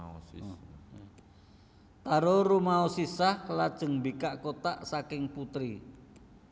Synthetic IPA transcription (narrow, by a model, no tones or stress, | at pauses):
t̪aɾoɾumaosisahlad̥ʒ̥ə̤ŋbikaʔkot̪aʔsakɪŋput̪ɾi